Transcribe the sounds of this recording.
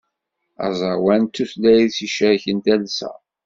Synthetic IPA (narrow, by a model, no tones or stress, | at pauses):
æ̰zˤəwænt̪ːuθlæjðsiʃæçənt̪ælsæ̰